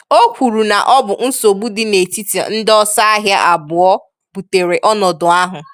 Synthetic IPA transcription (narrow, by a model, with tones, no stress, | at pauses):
o˦kʷu˨ɾu˨na˨ʔɔ˦bʊ˨n̩˦so˨ɡ͡bu˦dɪ˦ne˨ti˦ti˨a̰˨n̩˦dɔ˦sa˦a˦ɦja˦ʔa˨bʊ˨ɔ˦ | bu˨te˨ɾe˨ʔɔ˦nɔ˨dʊ˨a˦ɦʊ˨